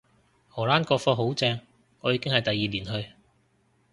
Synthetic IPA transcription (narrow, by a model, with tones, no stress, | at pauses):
hɔː˨˩laː˥nkɔː˧fɔː˧ɦo˨˥wt͡sɛː˧ŋ | ŋɔː˨˧jiː˨˧kɪ˥ŋhɐ˨jt̪ɐ˨jːiː˨liː˨˩nɦɵ˧ɥ